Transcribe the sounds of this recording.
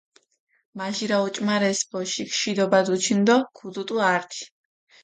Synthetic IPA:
maʒiɾaut͡ʃʼmaɾɛsbɔʃikʰʃid̪ɔbad̪ut͡ʃʰind̪ɔkʰud̪ut̪ʼuaɾt̪ʰi̥

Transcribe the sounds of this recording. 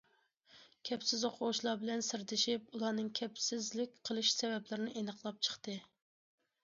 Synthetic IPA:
kʲʰɛpsɪzoqʰoʁʊʃlˠɑbɪlɛnsɨɾd̪ɪʃipulˠɑːnɨŋkʲʰɛpsɪzlɪkʲqʰəlˠɨʃsɛvɛplɪɾɪnɪʔenəqlˠɑp̚t͡ʃʰə̥χt̪ɨ

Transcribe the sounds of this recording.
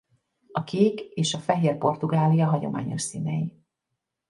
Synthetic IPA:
ɒkʰeːkeːʃɒfɛɦeːrpo̞rt̪uɡaːlijɒɦɒɟo̞̰ma̰ːɲo̞̰ʃsiːnɛji

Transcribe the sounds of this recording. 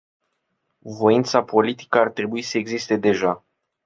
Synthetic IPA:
vo̞int̪sapo̞lit̪i̥kəart̪ɾe̞buisəe̞ɡzist̪e̞d̪e̞ʒa

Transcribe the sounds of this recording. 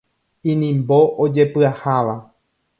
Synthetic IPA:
ĩnĩmboʔod͡ʒe̞pɨahaʋa

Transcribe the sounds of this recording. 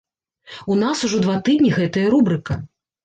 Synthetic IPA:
unasuʐɔd̪vat̪ɨd̪ʲnʲiɣɛt̪ɐjɐɾubɾɨkɐ

